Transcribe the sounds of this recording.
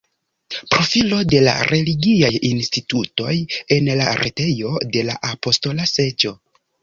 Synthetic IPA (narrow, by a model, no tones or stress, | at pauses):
pɾo̞filo̞de̞la̰ɾʔe̞liɡiajinstituto̞̰je̞nlaɾʔete̞jo̞de̞la̰ʔapo̞sto̞lase̞d͡ʒo̞